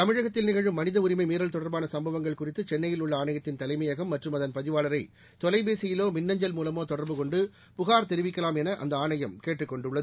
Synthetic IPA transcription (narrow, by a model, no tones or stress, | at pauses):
t̪ɐmɪɻɐɣɐt̪ːɪlnɪɣɐɻɯmːɐnɪðɐʊɾɪmɐɪmiːɾɐlt̪ɔɽɐɾbaːnɐsɐmbɐʋɐŋɡɐɭkʊrɪt̪ːɯt͡ʃɛnːɐjɪlʊɭːɐaːɳɐjɐt̪ːɪnt̪ɐlɐɪmɐjɐɣɐmːɐʈrɯmɐðɐnpɐðɪʋaːlɐɾɐɪ | t̪ɔlɐɪbeːsɪjɪloːmɪnːɐɲd͡ʒɐlmuːlɐmoːt̪ɔɽɐɾbɯkɔɳɖɯ | pʊɣaːɾt̪ɛɾɪʋɪkːɐlaːmɛnɐʔɐ̰nd̪ɐaːnɐjɐmkeːʈːrɯkːɔɳɖɯɭːɐð